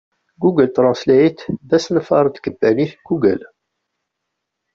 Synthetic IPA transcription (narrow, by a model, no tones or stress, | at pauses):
ɡuɡəlt̪ɾˤɑ̃nslæit̪ðæsnfɑɾˤt̪kəbːæniθɡ̥uɡə̰l